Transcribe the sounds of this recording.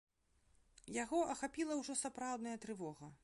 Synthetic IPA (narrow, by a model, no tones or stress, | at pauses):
jaɣɔʔɐxapʲilˠɐwʐɔsapɾawd̪nɐjɐt̪ɾɨvɔɣɐ